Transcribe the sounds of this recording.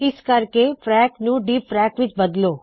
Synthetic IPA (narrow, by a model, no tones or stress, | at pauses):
ɪskɐɾkepɾɛːknũːɖiːppɾɛːkʋɪt͡ʃbɐd̪loː